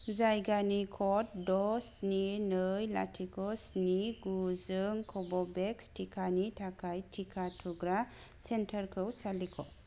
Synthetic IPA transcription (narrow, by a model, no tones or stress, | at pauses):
zajɡanikʰɔtdɔsninɯjla̰tʰikʰɔsniɡuzɯŋkʰɔbɔbekstʰikʰanitʰakʰajtʰikʰatʰuɡɾasentʰəɾkʰɯwsalikʰɔ